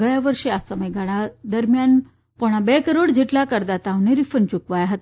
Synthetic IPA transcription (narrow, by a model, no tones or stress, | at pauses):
ɡəjaʋəɾʂeasəməjɡʱaɽad̪əɾmjan | poɽ̃abekəɾoɽd͡ʑʱiʈlakəɾd̪at̪aʋneɾifənt͡ɕukʋajaɦət̪